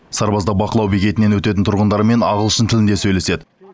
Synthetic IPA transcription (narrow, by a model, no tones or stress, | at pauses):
sɑɾbɑzd̪ɑbɑqəlˠɑwbikʲe̞t̪ɪne̞nwɵt̪e̞t̪ɪnt̪ʰʊɾʁənd̪ɑɾəme̞nɑʁəlˠʃənt̪ʰɪlɪnd̪e̞sɵjle̞se̞d̪ɪ